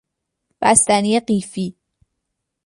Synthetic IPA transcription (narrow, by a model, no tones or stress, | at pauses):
b̥æst̪æniːeɢiːfiː